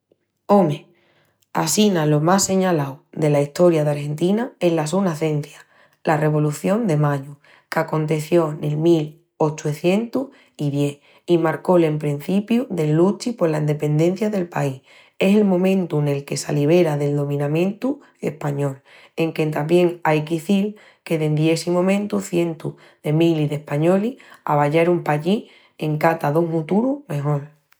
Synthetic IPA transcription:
o̞me | a̰sinalo̞mase̞ɲalawðe̞laiht̪o̞ɾjaðaɾhe̞nt̪inae̞nlasunaθe̞n̟θja | lare̞β̞o̞luθjo̞nd̪e̞maɲu | kako̞nt̪e̞θjo̞ne̞lmil | ot͡ʃuθje̞nt̪uh | iðje̞h | imaɾko̞lempɾin̟θipjuðe̞lːut͡ʃipo̞ɾlaind̪e̞pe̞nd̪ẽ̞n̟θjaðe̞lpai | e̞se̞lmõ̞mẽ̞nt̪une̞lke̞sa̰liβ̞e̞ɾaðe̞ld̪o̞mĩnãmẽ̞nt̪u | e̞hpaɲo̞l | e̞ŋke̞nt̪ambje̞ŋajkeiθiɾ | ke̞ðend̪je̞simõ̞mẽ̞nt̪uθje̞nt̪ṵ | ðe̞miliðe̞hpaɲo̞lia̰β̞aʎeɾumpaʎi | e̞ŋkat̪aðoŋhut̪uɾume̞ɦo̞l

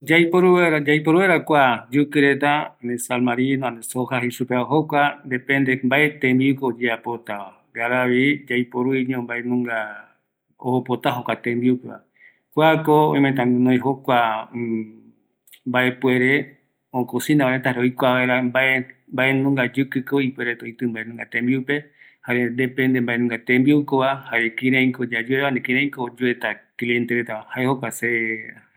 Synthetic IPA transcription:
d͡ʒajpoɾueɾad͡ʒajpoɾueɾakʷad͡ʒɨkɨɾet̪anesalmaɾinãnesohaɦisupeoɦokʷand̪epend̪embaʔet̪ẽmbiukoːd͡ʒeapot̪aa | ɡaɾaβid͡ʒajpoɾuiɲõmbaenũŋɡa | oopot̪aɦokʷat̪ẽmbiukeβa̰ | kʷakoõ̰j̃met̪ãŋnõjɦokʷa | mbaepueɾe | õkosĩnaβaɾet̪aɾojkʷaβaeɾambaʔembaʔenũŋɡad͡ʒɨkɨkoipueɾet̪ojt̪ɨmbaʔenũŋɡat̪ẽmbiupe | haɾend̪epẽnd̪embaʔenũŋɡat̪ẽmbiukoβahaɾekĩɾẽj̃kod͡ʒad͡ʒueβanekĩɾ̃ẽj̃kod͡ʒuet̪aklient̪eɾet̪aahaehokʷase

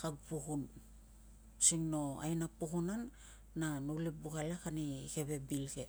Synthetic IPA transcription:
kaɡpukun | siŋno̞a̰jnapukunanː | anolibuɡalekanike̞βe̞bilɡe̞

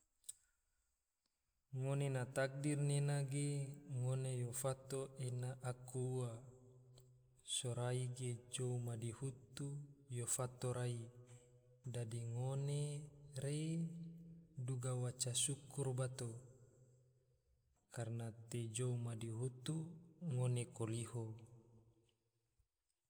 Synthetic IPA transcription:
ŋonenat̪ak̚dirnenaɡeŋonejofat̪oʔenaʔakua | soɾaiɡed͡ʒoumadihut̪ujofat̪oɾai | dadiŋoneɾe | duɡawat͡ʃasukurbat̪o | karnat̪ed͡ʒoumadiɦut̪uŋonekoliho

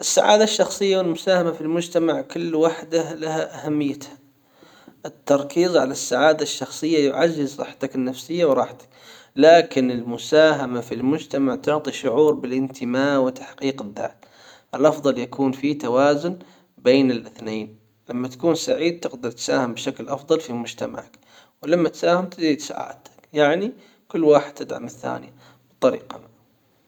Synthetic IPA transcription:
ʔɪsːa̰ʕa̰ːd̪aʃːɑxsˤɨjːawɪlmʊsaːhamafilmʊd͡ʒt̪amaʕkʊlːwaħd̪ahlahaʔahamːɪjːat̪hḁ | ʔɪt̪ːɑɾˤkiːzˤʕalasːaʕaːd̪aʃːɑxsˤɨjːajʊʕaʒːɪzɾˤɑ̰ːħt̪akɪnːafsɪjːawɾˤɑːħt̪ḁk | laːkɪnɪlmʊsaːɦamafilmʊd͡ʒt̪amaʕt̪ʊʕt̪ˤiʃʊʕuːɾbɪlʔɪnt̪ʰɪmaːʔwɪt̪ḁħqiːqɪðːa̰ːt̪ | ʔɪlʔɑfðˤɑljakuːnfit̪awaːzʊn | beːnɪlʔɪθneːn | lamːat̪ḁkuːnsaʕiːd̪̚t̪ɪqd̪ɑɾˤt̪saːhɪmbʃaklʔɑfðˤɑlfimʊd͡ʒt̪ama̰ʕak | wɪlamːat̪saːhɪmt̪ɪd̪ɾiːd̪sa̰ːʕa̰ːt̪ḁkjaʕni | kʊlːwaːħɪd̪̥̚t̪ɪd̪ʕa̰mɪθːa̰ːnɪja | bt̪ˤːɑɾḭːqɑ

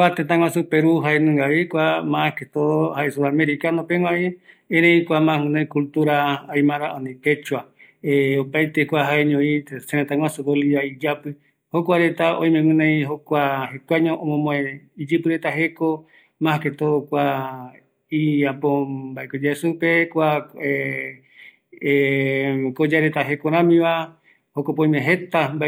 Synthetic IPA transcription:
kʷat̪ẽt̪̬ãŋ̃ʷãsupeɾuɦaenũŋɡaβekʷamãket̪ohaesuɾameɾikanopeŋãʔeẽɾẽĩkʷamãɨ̃nãĩkult̪uɾaːjmãɾaonĩt̪et͡ʃua | eopajt̪ekʷaɦaeɲõiseɾẽt̪ãŋʷwʷasuβoliaid͡ʒapɨ | hokʷaɾet̪aoj̃mẽmɨ̃nãĩɦokʷaɦekʷaɲõʔõmõmõẽid͡ʒɨpɨɾet̪aɦeko | mãhaket̪okʷa | iapobaekod͡ʒaesupekʷae | kod͡ʒaɾet̪aɦekoɾãmĩβa | hokopõj̃mẽɦet̪amba

